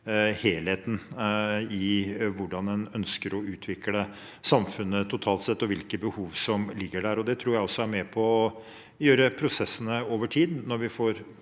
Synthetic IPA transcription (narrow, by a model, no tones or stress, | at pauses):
heːlheːt̪n̩ | ɪʋʊɖɑnɛnœnskəɾɔʉːt̪ʰʋɪklə | sɑmfʉnːət̪ʰʊt̪ʰɑːlt̪sɛt̪ːɔʋɪlkəbəhuːʋsɔmlɪɡːəɖæɾɔd̪ɛt̪ʰɾuːɾjæɪɔsːɔæɾmɛpʰɔː | jøːɾəpʰɾʊsɛsːənəoːʋəʈʰiːd̪nɔɾʋɪfoɾ